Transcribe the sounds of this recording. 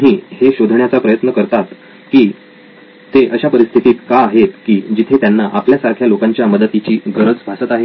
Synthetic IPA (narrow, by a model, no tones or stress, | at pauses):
ɦiːheɕod̪ʱɳjat͡sapɾəjət̪nəkəɾt̪at̪ | kiː | t̪eʔəɕapəɾist̪ʰit̪iːt̪kaːɦet̪kiːd͡ʑit̪ʰet̪janːaʔapljasaɾkʰjalokãɲt͡ɕjaməd̪ət̪it͡ɕiːɡəɾəd͡zbʱasət̪aɦe